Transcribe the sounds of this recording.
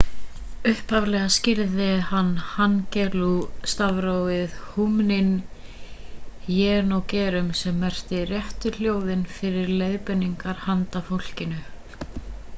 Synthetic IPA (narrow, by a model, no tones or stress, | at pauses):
ʏhphavlɛːɣascɪɾðɪhanːhancɛlust̪avɾowɪðhumnɪn | jɛːnɔwcɛːɾʏmsɛmːɛr̥t̪ɪrjɛht̪ʏl̥joːwðɪnfɪɾɪɾlejðpɛnːiŋkaɾ̥hant̪afowl̥cɪnʏ